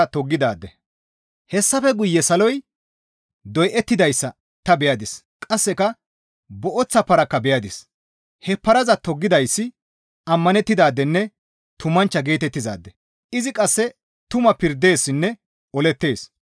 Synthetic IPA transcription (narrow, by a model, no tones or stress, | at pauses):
t̪ɔɡːɪd̪a̰ːd̪ːɛ | hɛsːɐfɛɡʊjːɛsɐlɔj | d̪ɔjʔɛt̪ːɪd̪ɐjsːɐ | t̪ɐbɛjɐd̪ɪs | kʼɐsːɛkɐ | bɔʔɔt͡sːɐpɐɾɐkːɐbɛjɐd̪ɪs | hɛpːɐɾɐzɐt̪ɔɡːɪd̪ɐjsːɪ | ɐmːɐnɛt̪ːɪd̪aːd̪ːɛnːɛ | t̪ʊmːɐnt͡ʃːɐɡe̞ːt̪ɛt̪ːɪza̰ːd̪ːɛ | ɪzɪkʼɐsːɛ | t̪ʊmɐpɪɾd̪ːe̞ːsːɪnːɛ | ɔlɛt̪ːe̞ːs